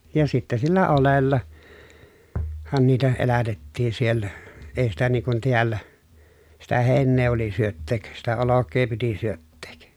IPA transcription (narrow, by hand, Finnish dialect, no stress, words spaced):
jɑ sitːæ silːæ olelːɑ hɑn niːtæ elætetːiːn sielːæ ei sitæ niː kun tiælːæ sitæ heˑi̯nːeː oli syøtːeːk sitæ olokˑeː piti syøtːeːk